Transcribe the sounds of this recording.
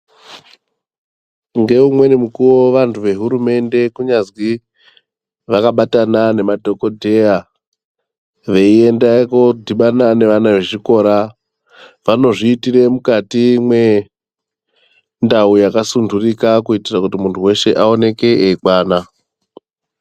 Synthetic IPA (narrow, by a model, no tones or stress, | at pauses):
ŋɡe̞umwe̞nemukuwo̞ʋantʰuʋe̞ɦuɾume̞nde̞kuɲazwi | ʋakaɓatanane̞madʱo̞ko̞dʱe̞ja | ʋe̞ie̞ndakodʱiɓanane̞ʋanaʋe̞ʐiko̞ɾa | ʋano̞ʐiːtire̞mukatimwe̞ | ndaujakasundʱurikakuitirakutimuntʰuwe̞ʃe̞ʔao̞ne̞ke̞eikwaːna